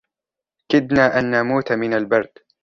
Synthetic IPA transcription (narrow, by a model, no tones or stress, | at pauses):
kɪd̪naːʔanːamuːt̪amɪnalbɑɾˤd̪